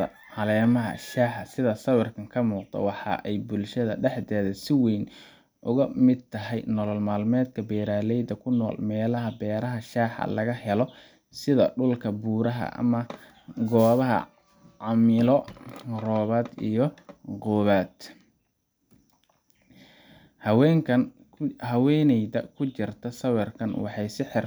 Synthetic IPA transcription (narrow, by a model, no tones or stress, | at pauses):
ɐ | hɐlɛːmɐɦɐ̰ʃaːħɑsɪðɐsɐwɪrkʰɐŋkʰɐmuːqd̪ɔ̰wɑħɑ̰ʔɛjbʊlʃɐðɐɖɛħd̪ɛːðɐsɪwɛjn | ʔʊɣɐmɪd̪̚t̪ʰɐɦɛjnɔlɔlmaːlmɛːd̪kʰɐbɛːɾaːlɛjd̪ɐkʰʊnɔ̰ːlmɛːlɐɦɐbɛːɾɐɦɐʃaːħɑ̰lɐɣɐhɛlɔ | sɪðɐ̰ɖʊlkʰɐbuːɾɐɦɐ̰ʔɐ̰mɐ | ɡɔːβɐɦɐ̰ | ʕɑmɪlɔrɔːβaːd̪ḭjɞqɔːβaːd̪ | hwɛŋkʰɐn | hɐwɛːnɛjdɐkʰʊt͡ʃɪrt̪ʰɐsɐwɛrkʰɐnwɑ̰ħɑjsɪħɪr